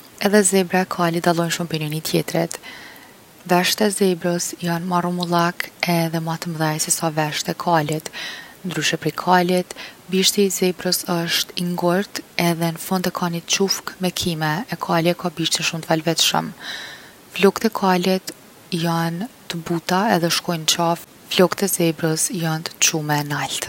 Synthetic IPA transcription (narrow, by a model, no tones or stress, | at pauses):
ɛðɛzɛbɾaɛkʰalit̪̚d̪alˠɔjnʃumpɛnjɔnit̪ʰjɛt̪ɾɛt̪ | vɛʃt̪ɛzɛbɾɔsjanmarɔmulˠakɛðɛmat̪əmðɛjsɛsavɛʃt̪ɛkʰalit̪nd̪ɾyʃɛpɾikʰalit̪biʃt̪izɛbɾɔsəʃt̪iŋɡɔɾt̪ɛðɛnəfɔnd̪ɛkʰanit̪t͡ʃufkmɛkʰimɛɛkʰalɛkʰabiʃt̪inʃumt̪əvalvɛt̪ʃə̰m | flɔkt̪ɛkʰalɛt̪ | jant̪əbut̪aɛðɛʃkɔjnt͡ʃaf | flɔkt̪ɛzɛbɾəsjant̪t͡ʃumɛnalt̪